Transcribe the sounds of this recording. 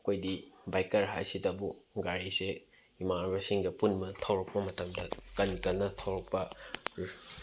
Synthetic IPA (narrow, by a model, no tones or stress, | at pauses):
ɐkʰojdibajkɐɾɦa̰jsitɐbuŋɡaɾise | imaɾbɐsiŋɡɐpunmɐtʰɐwɾɐk̚pɐmɐtɐmdɐkɐnkɐlnɐtʰɐwɾɐk̚pɐ